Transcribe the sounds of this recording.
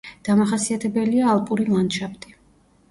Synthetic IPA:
d̪̥amaχasiat̪ʰɛbɛliaːlˠpʼuɾilanʃapʰt̪ʼi̥

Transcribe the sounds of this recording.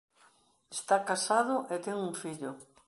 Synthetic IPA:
est̪akasaðʊʔet̪ɛŋuɱfiʎʊ

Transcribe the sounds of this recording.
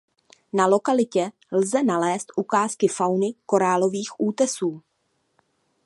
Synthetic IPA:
nalo̞kalɪcɛ | lzɛnalɛːst̪ʔukaːskɪfawnɪko̞ɾaːlo̞viːxʔuːt̪ɛsuː

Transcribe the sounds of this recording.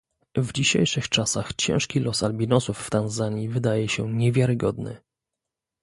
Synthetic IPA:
vd͡ʑiɕḛjʂɘxt͡ʂasaxt͡ɕɛ̰̃w̃ʂkʲilɔsalbʲinɔsufːt̪anzaɲjivɘd̪ajɛɕɛɲɛvʲjaɾɘɡɔd̪nɘ̰

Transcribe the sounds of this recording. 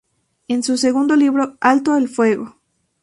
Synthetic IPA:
ensuse̞ɣund̪oliβɾoalt̪oelfwe̞ɣo

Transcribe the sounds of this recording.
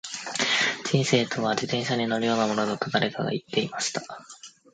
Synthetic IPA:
d͡ʑĩɰ̃se̞ːt̪ʰo̞βad͡ʑit̪ẽ̞ɰ̃ɕaɲ̟ino̞ɾʲɯjo̞ːnamo̞nod̪ot̪od̪aɾe̞kaɡa̰it̪ːe̞imaɕi̥t̪ḁ

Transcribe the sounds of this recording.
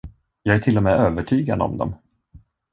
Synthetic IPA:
jɑːɡæʈʰɪlːɔmɛːʔøːvəʈʰyːɡad̪ɔ̰md̪ɔ̰m

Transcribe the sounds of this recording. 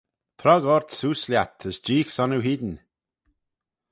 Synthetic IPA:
tʰɾɔɡɔɾt̪suːsljat̪ʰəsd͡ʒiːxsɔnuɦid̪n̩

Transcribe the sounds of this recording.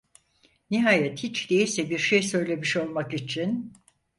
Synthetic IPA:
niɦaːjɛt̪hit͡ʃd̪ejilʲsɛbiɾʃejsø̞jlʲe̞miʃo̞lˠmakit͡ʃʰin

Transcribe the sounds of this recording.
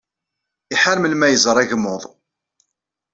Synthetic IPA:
iħaɾmənmæjəzəɾˤæʝəmːʊðˤ

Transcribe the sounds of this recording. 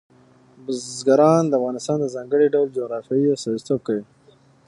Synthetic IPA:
bʊzɡaɾɑnd̪əafɣɑːnɪst̪ɑnd̪əzɑŋɡəɽiɖawld͡ʒoɣɾɑfjaiasast̪op̚kawi

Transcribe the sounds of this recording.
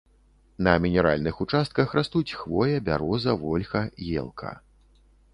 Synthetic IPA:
nɐmʲinʲɛɾa̰lʲnɨxut͡ʂast̪̚kɐxrast̪ut͡sʲxvɔjɐbʲa̰ɾɔzɐvɔlʲxɐjɛ̰lˠkʰɐ̰

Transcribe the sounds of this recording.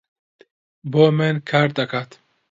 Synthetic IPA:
boːmənkʰaːɾd̪ɐkʰaːt̪ʰ

